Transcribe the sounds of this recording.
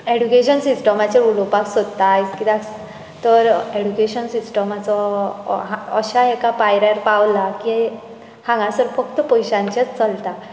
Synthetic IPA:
eɽjukeɕənsisʈəmat͡ɕeɾulɔpaksod̪t̪ajt͡skit̪ak | t̪əɾeɽukeɕənsisʈəmat͡sɔ | aəɕaɦekapajɾaɾpawlaki | hãŋɡãsəɾfək̚t̪əpɔjɕãɲt͡ɕat͡st͡səlt̪a

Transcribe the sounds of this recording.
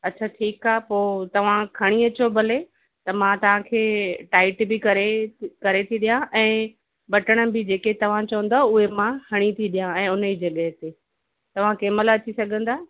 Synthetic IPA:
ɐtːɕʰaʈʰiːkaːɦpoːt̪ɐʋ̤ãkʰɐɽ̃iɐt͡ɕobʱɐle | t̪ɐmãt̪ɐʋ̤ãkʰeːʈaːɪʈbɪkɐɾekɐɾet̪ʰiɗijãʔɛ̃ː | ɓɐʈəɽ̃ə̆bɪd͡ʑeːket̪ɐʋ̤ãt͡ɕɐʋə̃nd̪aːʊɦemãhɐɽ̃it̪ʰiɗijãɛ̃ːʊnid͡ʑɐɠəɦt̪eː | t̪ɐʋ̤ãkeːməlɐt͡ɕisɐɡʱə̃nd̪aː

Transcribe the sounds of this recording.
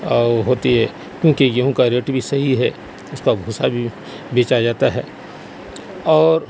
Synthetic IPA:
ɦoːt̪iɦɛː | kjõːkijɐɦõkaɾeːʈbʱisɐɦiɦɛ | ʊskabʱuːsabʱi | beːt͡ʃad͡ʒaːt̪aɦɛ̰ː | ɔːɾ

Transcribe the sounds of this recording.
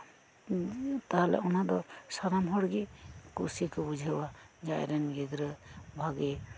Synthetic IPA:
t̪aɦalɛ̰unad̪ɔɾsaɾamɦɔɽɡekusikʰɔbud͡ʒʱewad͡ʒaj̰ɾɛnɡɛɡɾɯbʱaɡɛ

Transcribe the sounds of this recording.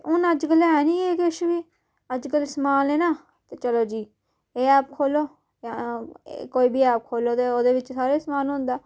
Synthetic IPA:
ʊnəd͡ʒkəlɦɛːnĩːeːkʃʋiː | əd͡ʒkəlsmaːleːnaː | t̪eːt͡ʃəloːd͡ʒiː | eːɛːp̚kʰoːloː | koːiːbʱiːɛːp̚kʰoːloːt̪eːoːd̪eːʋɪt͡ʃsaːɾeːsmaːnɦʊ̃nd̪aː

